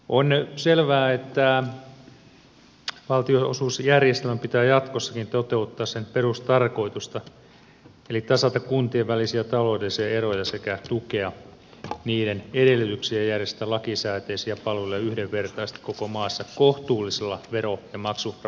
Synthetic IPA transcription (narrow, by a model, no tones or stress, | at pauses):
ʔonselʋæːet̪ːæ | ʋɑlt̪ioosuːsjærjest̪elmæmpit̪æːjɑt̪kosːɑ̥kint̪ot̪eut̪ːɑːssenperust̪ɑrko̞it̪ust̪ɑ | elit̪ɑsɑt̪ɑkkunt̪ieʋʋælisiæt̪ɑloːdelːisiɑerojɑsekæt̪ukeɑ | niːdenedelːˑyt̪yksiejjærjest̪ælɑkisæːt̪eːsiɑpɑlolːɑyhdeʋʋert̪ɑist̪i̥kokomɑːsːɑkoht̪uːlːiselːɑʋeɾojɑmɑksu